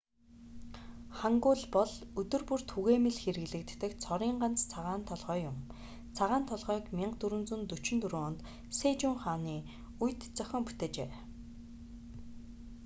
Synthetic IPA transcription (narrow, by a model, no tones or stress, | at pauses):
χaŋɡʊːɮpɔɮɵt̪ɵ̆rpur̥t̪xuɣeːmĕɮxeɾɘ̆ɣɮɘ̆k̚t̪ːɘ̆kt͡sʰɔɾiːɴɢan̥t͡st͡sʰaʁaːnt̪ʰɔɮʁœːjʊm | t͡sʰaʁaːnt̪ʰɔɮʁœːkmʲiɴɢt̪uɾɵ̆nt͡sunt̪ɵt͡ɕɪ̆nt̪uɾoːɔnt̪ | seːt͡ɕʊːɴχaːniː | ujt̪t͡sœxʲɔ̆ːmpu̥t̪eːt͡ɕeː